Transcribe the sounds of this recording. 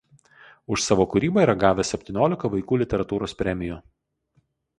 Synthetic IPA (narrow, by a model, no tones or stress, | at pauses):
ʊʃsɑːʋoːkʊɾʲiːbɐiːɾɐɡɑːʋʲɛsʲɛpʲt̪ʲiːnʲoːlʲɪkɐʋɐɪkuːlʲɪt̪ʲɛɾɐt̪uːɾoːspʲɾʲɛmʲɪju